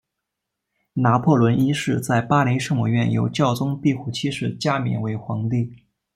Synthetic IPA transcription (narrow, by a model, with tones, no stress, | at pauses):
na˧˥pʰwɔ˥˩lwə˧˥ni˥ʂɻ̩˥˧t͡sa˥˩ɪpa˥li˧˥ɪʂɤ˥˧ŋmu˧˩ɥɛ˥˩njo̰˧˥ʊt͡ɕjɑ˥˩ʊt͡sʊ˥ŋpi˥˧xu˨˩t͡ɕʰi˥ʂɻ̩˥˩t͡ɕja˥mɛ̰˧˥nwe˧˥ɪxwɑ˧˥ŋt̪i˥˩